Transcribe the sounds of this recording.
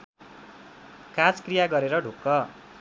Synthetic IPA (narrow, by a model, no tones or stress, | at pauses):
kad͡zkrijaɡʌɾeɾʌɖʱukːʌ